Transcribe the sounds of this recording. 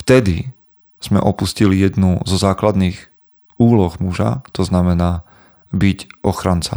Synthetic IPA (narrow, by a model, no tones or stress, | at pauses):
ft̪ɛd̪i | z̥mɛ̰ʔɔpuscilijɛd̪nuzɔzaːklad̪niːɣ | uːlɔɣmuʒa̰t̪ɔznamɛnaː | bicʔɔxɾant͡sa̰